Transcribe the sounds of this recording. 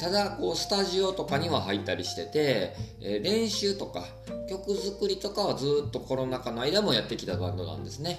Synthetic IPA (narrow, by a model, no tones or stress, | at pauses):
t̪ad̪ako̞ːsɨ̥t̪aʑio̞t̪o̞kaɲ̟iβaɦait̪ːaɾʲiɕi̥t̪e̞t̪e̞ | ɾẽ̞ɰ̃ɕɨːt̪o̞ka̰ | kʲo̞kɯ̟zɨkɯ̟ɾʲit̪o̞kaazɨːt̪ːo̞ko̞ɾo̞nakano̞aid̪amo̞jat̪ːe̞kʲi̥t̪abãnd̪o̞̰nã̰nd̪e̞sɨne̞